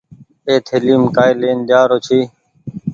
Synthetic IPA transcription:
eːt̪ʰeliːmkaːjleːnd̪jaːɾoːt͡ʃʰiː

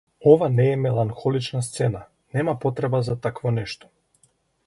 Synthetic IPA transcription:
ɔvanɛːmɛlˠaŋxɔlit͡ʃnast̪sɛna | nɛmapɔt̪ɾɛbazat̪akvɔnɛʃt̪ɔ̥

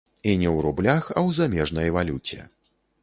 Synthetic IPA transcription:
inʲɛwɾublʲaxɐwzamʲɛʐnɐjvalʲut͡sʲɛ̰

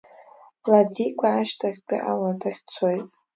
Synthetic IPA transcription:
ladikʷʰʼaːʃtʰaχʲt͡pʲʼa̰ʔaladʰaχʲt͡sʰojtʼ

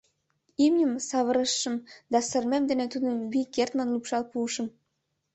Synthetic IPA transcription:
imnʲəmsɑβə̆ɾəʃːə̆md̪ɑsə̆rmemd̪enet̪ud̪ənβikert̪mɑnlupʃɑlpuːʃə̆m

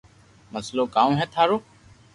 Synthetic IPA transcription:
məsloːkaːũːɦɛːt̪ʰaːɾoː

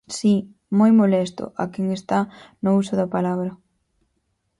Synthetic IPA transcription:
si | mojmolɛst̪ʊ̰ʔɐkɛŋest̪anʊusʊðɐpalaβɾɐ

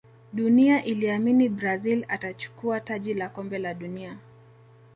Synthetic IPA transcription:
ɗuniaʔiliaminibɾazilatat͡ʃu̥kuataʄilakɔmbɛlaɗunia

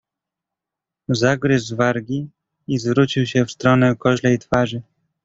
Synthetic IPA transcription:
zaɡɾɘzzvaɾɡʲi | izvɾut͡ɕiwɕɛfst̪ɾɔnɛkɔʑlɛjt̪faʐɘ

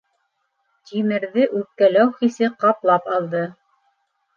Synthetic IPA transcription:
t̪ʲʰimɘ̆ɾðɘʔʉp̚kælæwχisɘqɑplˠɑpɑlˠd̪ɤ

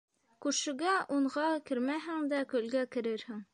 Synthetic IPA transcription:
kʉɾʃɘ̆ɡæʔuɴʁɑkɘ̆ɾmæɦɘŋd̪ækɵ̆lɡækɘ̆ɾɘɾhɘŋ

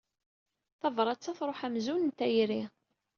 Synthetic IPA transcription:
θɑvɾˤɑt͡sːæθɾˤoħæmzunənt̪ːæjɾi

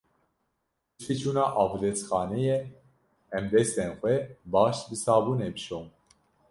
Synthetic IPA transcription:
fit͡ʃʰuːnɑːʔɑːvɾɛt͡sxɑːnɛjɛ | ɛmd̪ɛst̪enxʷɛbɑːʃbɨsɑːbunɛbɨʃom

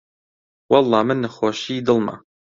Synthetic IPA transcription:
wɑlˠˤːɑːmɨnːaxoːʃiːd̪ɨlˠma̰

